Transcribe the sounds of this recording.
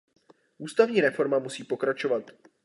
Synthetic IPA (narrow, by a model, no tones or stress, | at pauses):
ʔuːst̪avɲiːɾɛfo̞ɾmamusiːpo̞kɾat͡ʃo̞vat̪